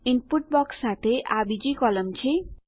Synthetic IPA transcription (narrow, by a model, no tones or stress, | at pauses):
inpuʈ̚bʌksːat̪ʰeʔabid͡zikʌlʌmt͡sʰi